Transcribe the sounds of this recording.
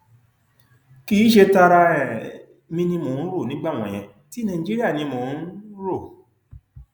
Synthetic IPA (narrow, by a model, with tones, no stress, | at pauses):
ki˦ʃe˧ta˧ɾa˧ɛ˨ | mĩ˧nĩ˧mõ˨˦n̩˦ɾo˦˨nĩ˨˦ɡ͡ba˦˨w̃ɔ̃˨j̃ɛ̰̃˧˦ | ti˨˦nã˨ĩ˨d͡ʒi˦ɾi˦a˦˨nĩ˧mo˨˦ɾo˦˨